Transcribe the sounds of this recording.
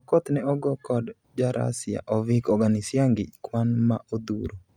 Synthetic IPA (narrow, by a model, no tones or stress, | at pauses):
kɔt̪nɛɔɡɔkɔd | d͡ʒaɾa̰sja̰ʔɔvikɔɡanɪsjaŋɡɪ̰d͡ʒkwanma̰od̪ṵɾo